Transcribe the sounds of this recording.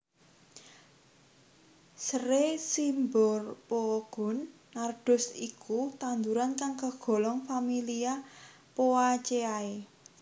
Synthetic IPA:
səɾesimbɔrpoɡ̥ʊ̤nː | arɖ̥ʊ̤sikut̪and̪uɾankaŋkəɡ̥ɔ̤lɔŋfamilia | poat͡ʃeae

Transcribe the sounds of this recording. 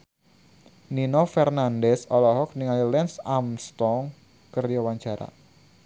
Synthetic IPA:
ninofɛrnandɛsɔlɔɦɔk̚niŋalilɛnsamst̪ɔŋ | kərjawaɲt͡ʃaɾa̰

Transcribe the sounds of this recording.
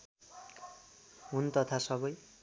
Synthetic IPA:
ɦunt̪ʌt̪ʰasʌbʌj

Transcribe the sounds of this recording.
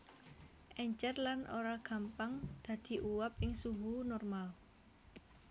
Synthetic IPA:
ʔɛɲt͡ʃɛrlanʔoɾaɡ̥ä̤mpaŋd̪̥ä̤d̪̥i̤ʔuwapɪŋsuɦunɔrmal

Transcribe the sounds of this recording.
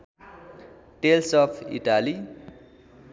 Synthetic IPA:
ʈelsʌpʰḭʈali

